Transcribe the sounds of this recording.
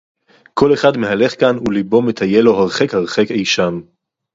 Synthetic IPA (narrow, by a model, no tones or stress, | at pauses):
kʰo̞le̞χadme̞ɦale̞χkanulibo̞met̪ʰaje̞lo̞ɦaʁχekhaʁχe̞kejʃam